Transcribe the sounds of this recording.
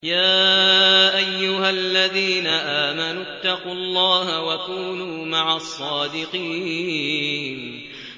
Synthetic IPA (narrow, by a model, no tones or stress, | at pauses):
jaː | ʔajːʊɦalːaðiːnaʔaːmanuːt̪ːɑquɑlˤːɑːɦawakuːnuːmaʕasˤːɑːd̪ɪqiː | n